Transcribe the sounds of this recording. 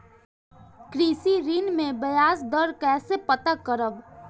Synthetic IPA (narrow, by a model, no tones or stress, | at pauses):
kɾiːsiɾinmẽbɐjaːsd̪əɾkɛːsepət̪akəɾəb